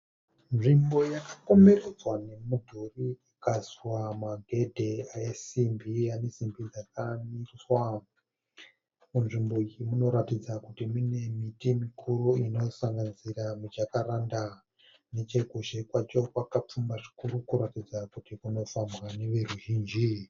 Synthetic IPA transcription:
nʐimbo̞jakako̞me̞ɾed͡zwane̞mudʱuriikaswamaɡʱe̞dʱe̞aesimbiane̞simbid͡zakamiswa | munʐimbo̞imuno̞ɾatid͡zakutimine̞mitimikʰuɾuino̞saŋɡaniziramut͡ʃakaɾanda | ne̞t͡ʃekuʃekwat͡ʃo̞kwakap͡fumbaʐi̥kuɾukuɾatid͡zakutikuno̞fambwane̞ʋe̞ruʒiːnd͡ʒi

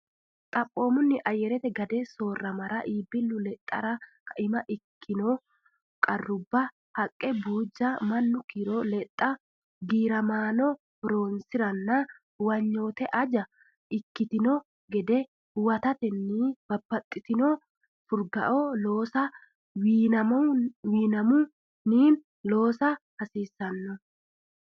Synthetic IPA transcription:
t̪ʼɐpʼːo̞ːmʊnːɪʔɐjɛɾɛt̪ɛɡɐd̪ɛso̞ːrːɐmɐɾɐʔiːbɪlːʊlɛt̪ʼːɐ̰ɾɐkʰɐʔɪmɐʔɪkʰːɪnoː | kʼɐrːʊbːɐ | hɐkʼːɛbuːd͡ʒːɐmɐnːʊkiɾolɛt̪ʼːɐ | ɡiːɾɐmaːnɔ | ɾo̞ːnsɪɾɐnːɐ | wɐɲːo̞ːt̪ɛʔɐd͡ʒɐ | ɪkːɪt̪ɪnɔ | ɡɛd̪ɛ | wɐt̪ɐt̪ɛnːib̥ɐbːɐt̪ʼːɪt̪ɪno | fʊɾɡɐ̰ʔoːloːsɐ | wɐmɐwiːnɐmʊ | niːn | lo̞ːsɐhɐsiːsːɐnːɔ

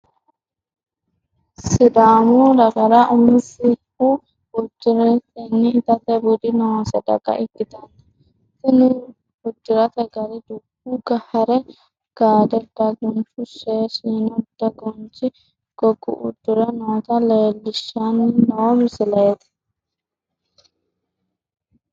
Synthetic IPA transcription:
sɪd̪aːmud̪ɐɡɐɾaʔʊmɪsɪ | u | bʊd͡ʒːɪɾɛt̪ɛnːɪːt̪ɐt̪ɐbʊd̪ɪnɐwɐsɐd̪ɐ̰kʼɐ̰ʔɪkːɪt̪ɐn | sɪnʊ | ʊd͡ʒːɪɾɐt̪ɐɡɐɾɪd̪ʊbuɡɐhɐɾɛ | ɡ̥aːd̪ɐd̪ɐɡɔnt͡ʃʊʃeːʃiːnɔd̪ɐɡɔnt͡ʃɪ | ɡ̥ɔɡʊ̰ʔʊ̰d̪ːʊɾɐnɐwt̪ɐleːlːɪʃːanːɪnɐwɔmɪsɪlɐjɛt̪ɪ̥

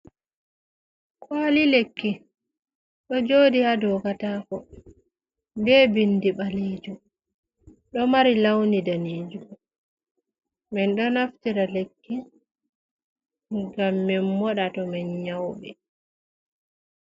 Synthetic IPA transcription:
kʰwaːlilekːi | ɗɔd͡ʒoːdiadɔkataːkɔ | bɛbindiɓaleːd͡ʒu | ɗɔmaɾilawnidaniːd͡ʒum | mɛnɗɔnaftiɾalekːi | ŋɡamːɛnmɔɗatɔmɛnɲawɓɛ

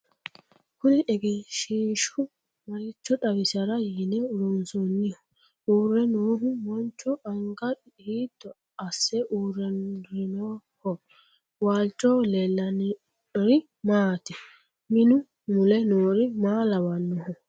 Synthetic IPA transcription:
kʊnɪʔɛɡɪʃiːʃʊ | mɐɾɪt͡ʃːɔᶑɐwɪsɐɾɐjinɛʊɾʊnsɔnːɪhʊ̥ | uːrːɛnoːɦʊwɔnt͡ʃːɔɐŋɡɐ | iːd̪̥ːɔ | ɐsːɛʔuːrːɛnɾɪnoːhɔ | waːlt͡ʃʼɔlɛlːɐn | ɔɾɪ | maːt̪ɪ | mɪnʊ | mʊlɛnoːɾɪmaːlɐwɐnːɔhɔ

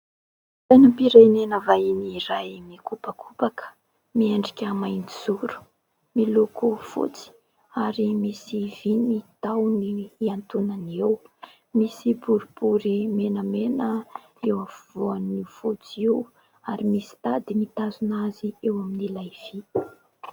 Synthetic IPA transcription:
zajnupiɾajnenəvainiɾajmikupakʰupakə̥ | miaɳɖ͡ʐikʲəmajniz̥uɾu̥ | milokufṵt͡si̥ | aɾimisivinit̪awniiant̪unanew | misibuɾubuɾimenəmenə | ewafuvoanifut͡siew | aɾimisi̥t̪ad̪imit̪azunaziewaminilajv̥i

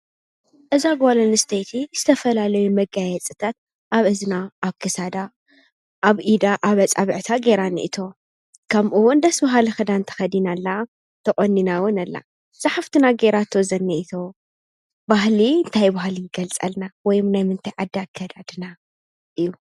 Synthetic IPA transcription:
ʔɨzaɡolɐnɨst̪ʰejt̪ʰiz̥ɨt̪ʰɐfɐlalɐjumɐɡajɛt͡sʼɨt̪ʰat̪̚ | ʔaβɨzɨnaʔːβkʰɨsad̪a | ʔaβʔid̪aʔaβɐt͡sʼaβɨʕt̪ʰaɡe̞ɾanḭʔḭt̪ʰo̞ | kʰɐmʔuwʊnd̪ɐsbɐɦalixɨd̪ant̪ʰɐ̥xɐd̪inalːa | t̪ʰɐχʼɔnːinawʊnɐlːa̰ | sʼaħaft̪ʰɨnaɡeɾat̪ʰːozɐnːɐʔit̪ʰo̞ | baɦliɨnt̪ʰajbahlijɡɐlt͡sʼɐlnawɔjumnajmɨnt̪ʰajʕad̪ːakʰːɐd̪ad̪ɨna | ʔɨjːu

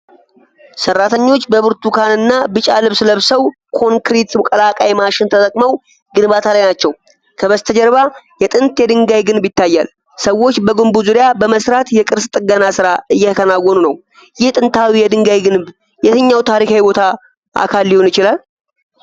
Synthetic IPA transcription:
sərːat̪ʰəɲːo̞t͡ʃːbəβɨɾt̪ʰukʰanɨnːabɨt͡ʃʼalɨβsləβsəw | kʰo̞ŋkɾit̪mkʼəlakʼajmaʃɪnt̪ʰət̪ʼəkʼməw | ɡɨnbat̪ʰalajnat͡ʃːɛw | kʰəβəst̪ʰəd͡ʒɛɾβajɛt̪ʼɨnt̪jɛd̪ɨŋɡajɡɨnbjɪt̪ʰːajːa̰l | səwːo̞t͡ʃːbəɡɨmbuzuɾijabəməsɾat̪jɛkʼɨɾst̪ʼɨɡənasɨɾaɨjːɛt̪ʰəkʰənawːɔnunəw | jɪht̪ʼɨnt̪ʰawijɛd̪ɨŋɡajɡɨnb | jɛt̪ʰəɲːawt̪ʰaɾikajbo̞t̪ʰa | ʔa̰kʰalːihonɪt͡ʃɪlal

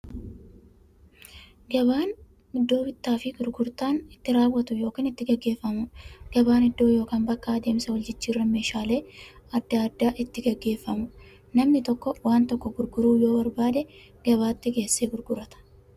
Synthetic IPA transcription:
ɡɐβaːn | ɪd̪ːo̞ːbɪt̪ːaːfɪɡʊɾɡʊɾt̪aːnɪt̪ːɪɾaːwːɐt̪ʊjo̞ːkiːnɪt̪ːɪɡɐɡːe̞ːfːɐmʊɡ̥ɐbaːnɪd̪ːo̞ːjo̞ːkaːnbɐkːaːd̪e̞ːmsɐwɐld͡ʒɪt͡ʃːiːrːɐme̞ːʃaːle̞ːɐd̪ːaɐd̪ːaːʔɪt̪ːɪɡɐɡːe̞ːfːɐmʊ | nɐmnɪt̪ɔkːɔwaːnt̪ɔkːɔɡʊɾɡʊɾuːjo̞ːbɐɾbaːd̪ɛ | ɡ̥ɐbaːt̪ːɪɡe̞ːsːeːɡʊɾɡʊɾɐt̪ɐ̥

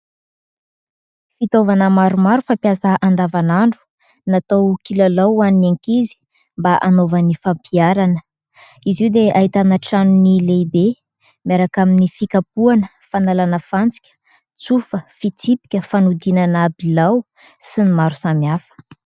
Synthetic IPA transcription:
fit̪ovanəmaɾumaɾufampjasəʔand̪avanaɳɖ͡ʐu̥ | nat̪awkilalawaninaŋkizi̥ | mbaʔanovənifampiaɾanə | iziwd̪eʔait̪anaʈ͡ʂanunileibe | miaɾakaminifikapuanə | fanalanəfant͡si̥kʲə̥ | t͡sufəfit͡sipi̥kʲəfanud̪inanabilaw | sinimaɾu̥samjafə̥

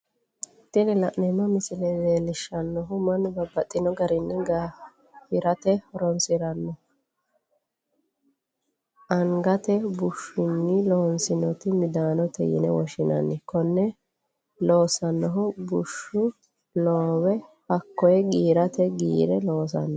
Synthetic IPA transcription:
t̪ːɪnɪlɐʔnɛnːɔmɪsɪlɛzeːlɪʃːɐnːɔɦʊmɐnbɐbːɐt̪ʼːɪnɔɡɐɾɪnːɪɡa | hɪɾɐt̪ɛhɔɾɔnsɪɾɐnːɔ | ɐŋɡɐt̪ɛbʊʃʊnːɪloːnsɪnɔt̪ɪmɪd̪aːnɔt̪ɛ̰jɪ̰nɛ̰wɔ̰ʃɪnɐ̰nːɪkɔnːɛ | lo̞ːsɐnːɔɦʊbʊʃːʊ | loːwɛhɐkːɔjɛɡiːɾɐt̪ɛɡḭːɾɛloːs̬ɐ̰nːɔ

